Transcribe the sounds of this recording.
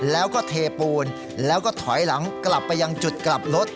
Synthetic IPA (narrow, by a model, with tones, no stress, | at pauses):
lɛː˦˥wkɔː˥˩t̪ʰeː˧puː˧n | lɛː˦˥wkɔː˥˩t̪ʰɔ˩˦jla˩˦ŋkla˨˩pːa˧jːa˧ŋt͡ɕu˨˩t̪̚kla˨˩p̚lo˦˥t̪̚